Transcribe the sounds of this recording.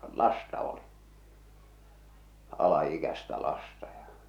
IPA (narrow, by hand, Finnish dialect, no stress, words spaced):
lɑstɑ oli ɑlɑikæstæ lɑstɑ jɑ